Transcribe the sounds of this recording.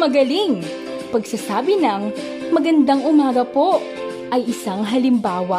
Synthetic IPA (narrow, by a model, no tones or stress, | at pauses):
mɐɡɐliŋ | pɐɡsasaːbɪnɐŋ | mɐɡɐnd̪aŋʊmaːɡɐpo̞ | ʔɐjɪsaŋɦɐlɪmbaːwɐ